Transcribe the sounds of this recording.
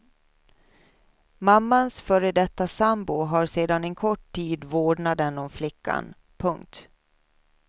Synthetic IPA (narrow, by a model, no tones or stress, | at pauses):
mamːansfœɾəd̪ɛt̪ːasambʊɦaɾseːd̪anɛnkʰɔʈʰːiːd̪voːɖɳad̪ɛnɔmflɪkʰːa̰n | pʰɵŋk̚t̪